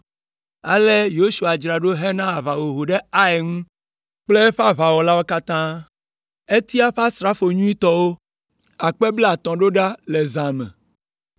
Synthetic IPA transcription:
a̰˨le˦jo˦ʃu˨a˨d͡ʒɾa˨ɖo˦ɦe˦nã˦a˨va˨wo˨ɦo˨ɖe˦a˦e˨ŋũ˦ | k͡ple˦ɸa˦βa˨wɔ˨la˦wo˦ka˦t̪ã˦ | e˦t̪i˦a˦ɸa˦st̪ɾa˦fo˨ɲũ˦i˦t̪ɔ˦wo˦ | a˨k͡pe˦blɛ˦a˨t̪ɔ̃˨ɖo˦ɖa˦le˨zã˨mɛ̰̃˨

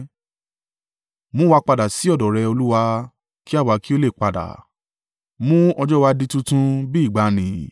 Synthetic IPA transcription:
mũ˦wa˧k͡pa˧da˨si˨˦ɔ˦˨dɔ˨ɾɛ˧o˧lu˦wa˧ | ki˦a˦˨wa˨˦ki˦o˦le˦˨k͡pa˨da̰˨ | mũ˦ɔ˧d͡ʒɔ˦wa˧di˧tũ˦tũ˦bi˦˨ɡ͡ba˨˦nĩ˨

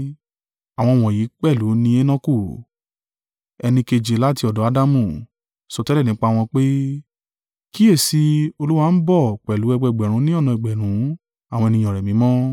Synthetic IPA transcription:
a˨w̃ɔ̃˧˨w̃ɔ̃˨ji˨˦k͡pɛ˦˨lu˨˦nĩ˧e˦nɔ̃˦ku˦˨ | ɛ˧nĩ˧ke˧d͡ʒe˨˦la˦ti˧ɔ˨dɔ˨˦a˦da˦mũ˦˨ | sɔ˧tɛ˦lɛ˦˨ĩ˨˦k͡pa˦˧w̃ɔ̃˧k͡pe˦ | ki˦e˦˨si˧˦o˧lu˦wa˧n̩˦bɔ˦˨k͡pɛ˨lu˨˦ɛ˧ɡ͡bɛ˧˨ɡ͡bɛ˨ɾ̃ũ˧˦nĩ˦ɔ˦˨nɔ̃˧i˨ɡ͡bɛ˨ɾ̃ũ˨˦ | a˦˨wɔ̃˧ɛ˧nĩ˧ɔ̃˨ɾɛ˨mĩ˨˦mɔ̃˦

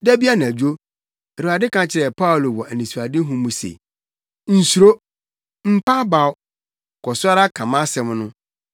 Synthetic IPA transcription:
dæ˦bi˦a˦nã˨æ˨d͡ʑᶣu˦o˦ | æ˨ɾu˨a˨dɪ˦kã˦t͡ɕʰɪ˦ɾɛ˨pʰa˦ʊ˨lo˨wɔ˨ʔæ˨nĩ˨su˨a˨dɪ˦ɦũ˦mũ˨sḛ˨ | n̩˨su˨ɾo˦ | m̩˦pa˦ba˨w | kʰɔ˨sʊ˦a˦ɾa˦kʰã˨mã˦sɛ̃˦m˦nʊ̃˦

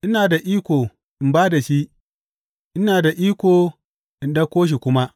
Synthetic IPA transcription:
ʔɪ˦naː˨da˨ʔiː˦kʷoː˨ | ʔɪ˨mbaː˦da˨ʃi˦ʔ | ʔɪ˦naː˨da˨ʔiː˦kʷoː˨ | ʔɪ˨nɗɐ˦kʷoː˦ʃ̬i˨kʷʊ˦ma˦ʔ

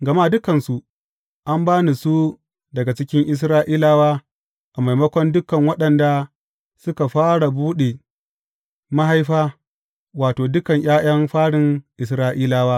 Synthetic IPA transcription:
ɡɐ˨ma˦˨dʊ˦kɐ˨nsu˨ | ʔa˦mbaː˦ni˨su˦ | dɐ˨ɡa˨t͡ʃɪ˦kʲɪ˦ŋʔɪ˦s̬ɾaː˦ʔiː˦laː˦waː˦ | ʔa˨ma˨jmɐ˦kʷɔ˦ndʊ˦kɐ˨ŋwɐ˦ɗɐ˨nda˨ | sʊ˦ka˨ɸaː˦ɽa˨buː˦ɗe˨ | ma˦ɦa˦jɸaː˦ | waː˨toː˨dʊ˦kɐ˨ɲj̰ʔaː˦j̰ɐ˦mɸaː˦ɽɪ˨ŋʔɪ˨s̬ɾaː˦ʔiː˦laː˦waː˦

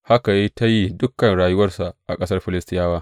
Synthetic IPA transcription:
ha˦ka˨je˦ta˦ji˦dʊ˦kɐ˨nɽaː˨jʊ˦wɐ˦rsa˨ʔʔa˨kʼɐ˦sɐ˦rɸɪ˨lɪ˦stɪ˦jaː˦waː˦

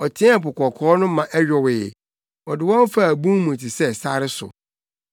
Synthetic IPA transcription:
ɔ˨tʰɪ̃˦a˨pʊ˨kʰɔ˨kʰɔː˦nʊ̃˦mã˨ʔɛ˦ɥᶣɔ˨wɪ˨ɛ̰˨ | ɔ˨dɪ˨wɔ̃˦n˦fa˦˨æ˨bũ˦mũ˨tʰi˨sɛ˦˨sa˦ɾɪ˦sʊ̰˨

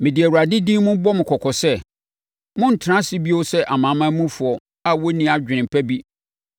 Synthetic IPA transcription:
mɪ̃˨dɪ˨æ˨wu˨ɾa˨dɪ˦dĩ˦mʊ̃˦bɔ˦mɪ̃˨kʰɔ˨kʰɔ˨sɛ˦˨ | mʊ̃˦n̩˨tʰɪ˨ɾã˦si˦bi˦o˦sɛ˦ʔa˨mã˨˦mã˦mũ˦fʊ˨ɔ˨ | a˦wɔ˦nĩ˨˦˨a˨d͡ʑᶣɪ˨nɪ̃˨m˨pʰæ˦bi˦

